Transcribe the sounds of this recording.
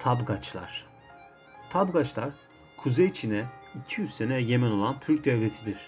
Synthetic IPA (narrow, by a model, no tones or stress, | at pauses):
t̪ʰabɡat͡ʃlˠa̰ɾ̥ | t̪ʰabɡat͡ʃlˠaɾ | kʰuzejt͡ʃʰinɛicʰijyzsenɛje̞mɛno̞lˠant̪ʰyɾc̚d̪ɛlet̪ʰid̪iɾ̥